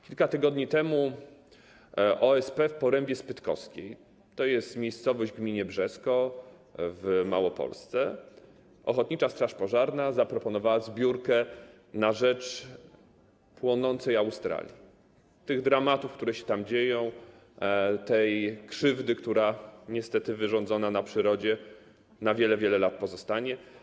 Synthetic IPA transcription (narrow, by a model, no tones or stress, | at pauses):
kʲilkat̪ɘɡɔd̪ɲit̪ɛmu | ʔɔɛspɛfpɔɾɛmbʲjɛspɘt̪kɔ̰skʲej | t̪ɔjɛst̪mʲjejst̪sɔvɔʑd͡ʑɡmʲiɲɛbʐɛskɔ | vma̰wɔpɔ̰lst̪sɛ | ʔɔ̰xɔt̪̚ɲit͡ʂast̪ɾaʂpɔʐaɾnazapɾɔpɔnɔvawazbʲjuɾkɛ | naʐɛt͡ʂ | pwɔnɔnt̪sɛjawst̪ɾa̰lʲji | t̪ɘɣd̪ɾamat̪ufkt̪uɾɛɕɛ̥t̪amd͡ʑejɔ̃w̃ | t̪ɛjkʂɘvd̪ɘkt̪uɾaɲɛst̪ɛt̪ɘvɘʐɔ̃nzɔnanapʂɘɾɔd͡ʑɛ | navʲjɛlɛvʲjɛlɛlat̪̚pɔzɔst̪aɲɛ